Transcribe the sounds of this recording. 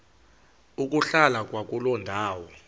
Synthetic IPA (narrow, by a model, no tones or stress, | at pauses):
uk̬ʼuɬalakʼwak̬ʼulɔndʱaːwɔ